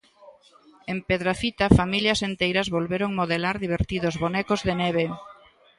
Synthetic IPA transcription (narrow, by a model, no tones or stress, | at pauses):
empeðɾafit̪afamiljɐsent̪ejɾɐzβolβeɾoŋmoðelaɾðiβ̞eɾt̪iðʊzβonɛkozðenɛβ̞e